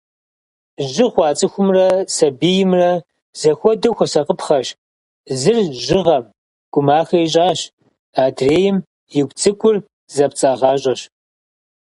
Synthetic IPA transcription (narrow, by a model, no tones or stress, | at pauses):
ʒɪχʷɑːt͡sʼɨxʷʊmrɐsɐbijɪmrɐ | z̥ɐxʷɔdɐxʷɔsɐqəpχɐʃ | zɨrʒɪʁɐm | ɡ̥ʷʊmaːxɐiɕ̬ʼaːɕ | aːdreːjɪm | jɪɡʷt͡sʼɨkʷʼʊr | zɐp̚t͡sʼaːʁɑːɕʼɐɕ